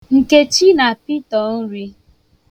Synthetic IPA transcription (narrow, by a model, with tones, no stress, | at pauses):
ŋ̩˨ke˦t͡ʃi˦na˨pi˦tɔ˨n̩˦ɾi˦